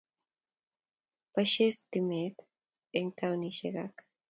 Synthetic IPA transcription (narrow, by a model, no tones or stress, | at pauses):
paʃest̪imet̪ | eŋt̪awniʃḛɣak